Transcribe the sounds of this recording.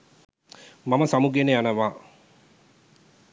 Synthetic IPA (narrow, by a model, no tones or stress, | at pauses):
mamɐsamuɡenejanɐʋaː